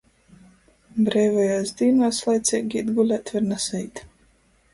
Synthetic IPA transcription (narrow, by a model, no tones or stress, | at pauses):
bɾɛːvajaːsd̪iːnaːslˠajt̪sʲiɛɡʲid̪ɡulʲat̪vʲiɾnasɛjt̪